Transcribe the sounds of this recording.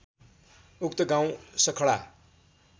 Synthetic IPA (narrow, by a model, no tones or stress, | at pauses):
uk̚t̪ʌɡãw̃sʌkʰʌɭa̰